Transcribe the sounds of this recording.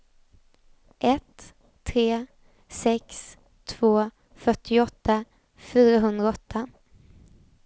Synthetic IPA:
ʔɛt̪ʰː | ɾeː | sɛks | t̪ʰv̥oː | fœʈːɪɔt̪ːa | fyːɾaɦɵnd̪ɾaɔt̪ʰːa

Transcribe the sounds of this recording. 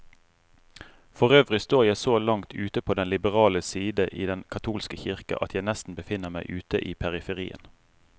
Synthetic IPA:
fɔʁøːʋʁɪst̪oːʁjæɪsoːlɑŋt̪ʰʉːt̪əpʰoːd̪ɛnlɪbəʁɑːləsiːd̪əʔiːd̪ɛnkʰɑt̪ʰuːlskəçɪʁkɑ̰ʔɑ̰t̪ʰjæɪnɛst̪n̩bəfɪnːəʁmæɪʔʉːt̪əʔiːpʰæʁɪfəʁḭːə̰n

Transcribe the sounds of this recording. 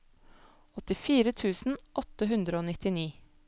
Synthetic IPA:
ɔt̪ɪfiːɾət̪ʰʉːsn̩ʔɔt̪əɦʉnd̪ɾəoːnɪt̪ɪniː

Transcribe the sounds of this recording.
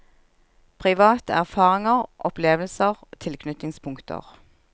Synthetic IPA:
pʰʁɪʋɑːt̪əæʁfɑːʁɪŋəʁʔɔpleːʋlsəʁt̪ʰɪlkʰnʏt̪ɪŋspʰʊŋkt̪ʰə̰ʁ

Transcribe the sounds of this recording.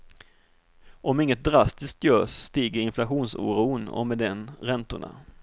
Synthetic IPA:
ʔɔmɪŋːət̪̚d̪ɾast̪ɪsk̚t̪jœːʂt̪iːɡəɾɪnflaɧuːnsṵːɾuːnɔ̰mɛd̪ɛnɾɛnt̪ʊɳa̰

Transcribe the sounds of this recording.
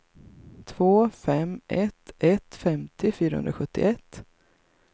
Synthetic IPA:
t̪ʰvoːfɛmʔɛt̪ʔɛt̪fɛmt̪ɪfyːɾahɵ̰nɾaɧɵt̪ːɪ̰ɛt̪ː

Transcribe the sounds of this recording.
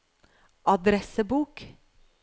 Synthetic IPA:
ʔɑd̪ɾɛsəbuːk

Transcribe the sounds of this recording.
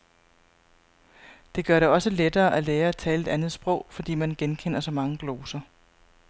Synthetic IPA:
d̥e̝ɡ̥ɶɐɾe̝ɒ̽səled̥ɐːʔæleːɐæt͡sʰɛːle̝d̥ænð̞̩ˠsb̥ʁɔ̽ʊ̰fɒ̽d̥ḭːmænɡ̥enkʰen̰ɐsɒ̽mɑ̈ŋəɡ̥lo̝ːsɐ

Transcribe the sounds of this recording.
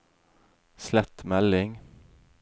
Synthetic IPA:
slɛt̪mɛlɪŋ

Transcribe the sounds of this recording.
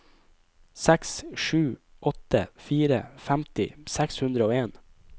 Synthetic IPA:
sɛksʃʉː | ʔɔt̪ə̰fiːɾə̰fæmt̪ɪ̰sɛkshʉnd̪ɾəoːeːn

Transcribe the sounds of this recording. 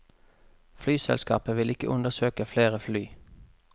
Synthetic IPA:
flyːsɛ̰lskɑ̰ːpəʋɪlɪkə̰ʔʊnd̪əʁsøːkəfleːʁəflyː

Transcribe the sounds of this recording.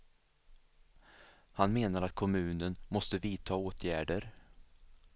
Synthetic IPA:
hanmeːnaɾat̪̚kʰɔmʉ̟ːnənmɔst̪əviːt̪ʰɑːoːt̪ʰjæːɖəɾ

